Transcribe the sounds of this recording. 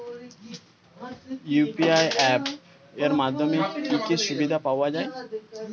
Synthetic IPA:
jupiajʔɛp | eɾmad̪ʱːomekikeʃubid̪ʱapawad͡ʑae

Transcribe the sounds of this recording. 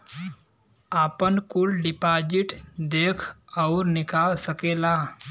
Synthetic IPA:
aːpənkʊlɖɪpaːd͡ʒɪʈd̪eːkʰɔʊɾnɪkaːlsəkeːlaː

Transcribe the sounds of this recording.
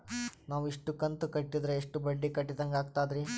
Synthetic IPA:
naːʋuiʂʈukɐnt̪ukɐʈːid̪ɾeːʂʈubɐɖːikɐʈːid̪ɐŋɡaːɡ̚t̪aːd̪ɾi

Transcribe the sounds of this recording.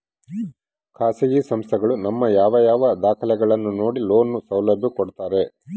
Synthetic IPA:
kʰaːsɐɡisɐmst̪ʰɛɡɐɭunɐmːɐjaːʋɐjaːʋɐd̪aːkʰɐlɛɡɐɭɐnːuno̞ːɽilo̞ːnːusɐwlɐbʱjɐkoɽt̪aːɾe̞

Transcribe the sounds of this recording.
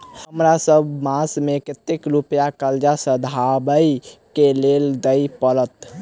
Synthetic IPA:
həmɾasəbʱmasmekət̪ekɾupjakəld͡ʒasəd̪ʱabəjkeleld̪əjpəɾət̪

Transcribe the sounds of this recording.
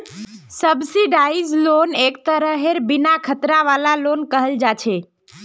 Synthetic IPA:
səbsiɖaid͡ʒlonek̚t̪əɾəɦeɾbinakʰət̪ɾaʋalalonkəɦəld͡ʒat͡ʃʰe

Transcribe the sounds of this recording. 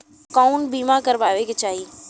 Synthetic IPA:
kaːʊnbiːmakəɾʋaːʋeket͡ɕaːɦi

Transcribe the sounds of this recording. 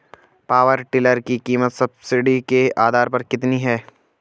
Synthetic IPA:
paːʋəɾʈɪləɾkikiːmət̪sɐbsɪɖikeaːd̪ʱaːɾpɐɾkɪt̪niɦɛː

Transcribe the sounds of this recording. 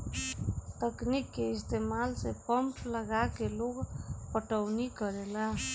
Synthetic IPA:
t̪əknikːeist̪emalsepəmpləɡakeloɡpəʈəwnikəɾelaɦ

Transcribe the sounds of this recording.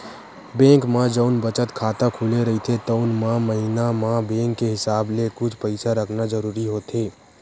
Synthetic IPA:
bɛ̃ːŋkmãd͡ʒəʊnbət͡ʃət̪kʰaːt̪akʰuleɾəɦit̪ʰet̪əʊnmãməɦinamãbẽːŋkːeɦɪsaːblekʊt͡ʃʰpəɪsaɾəkʰnad͡ʒəɾuːɾiɦoːt̪eː

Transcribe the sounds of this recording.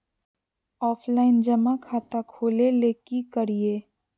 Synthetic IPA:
ɔːpʰlaːɪnd͡ʒɐmakʰaːt̪akʰoːleleːkikəɾieː

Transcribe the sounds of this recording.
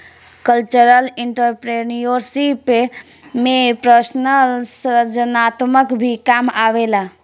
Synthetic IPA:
kəlt͡ʃəɾəliɳʈəɾpɾenijoɾsipe | mepɾəsnəlsɾəd͡ʒənat̪məkbʱikamaʋela

